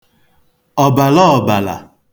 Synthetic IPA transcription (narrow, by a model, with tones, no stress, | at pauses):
ɔ˨ba˨lɔ˦ɔ˨ba˨la̰˨